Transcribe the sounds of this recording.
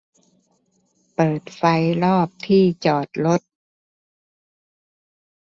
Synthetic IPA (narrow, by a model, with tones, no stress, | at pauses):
pɤː˨˩t̪̚fa˧˥jlɔː˥˩p̚t̪ʰiː˥˩t͡ɕɔː˨˩t̪̚lo˦˥t̪̚